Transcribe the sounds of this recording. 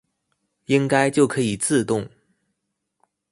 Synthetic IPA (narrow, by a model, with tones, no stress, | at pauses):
i˥ŋka˥ɪt͡ɕjo˥˩ʊkʰɤ˧˥i˨˩t͡sɹ̩˥˧t̪ʊ˥˩ŋ